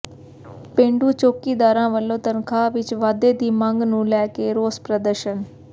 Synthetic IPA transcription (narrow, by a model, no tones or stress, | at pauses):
pẽːɳɖuːt͡ʃoːkiːd̪aːɾãːʋəlːõːt̪ənkʰaːʋɪt͡ʃʋaːd̪eːd̪iːməŋɡnũːlɛːkeːɾoːspɾəd̪əɾʃən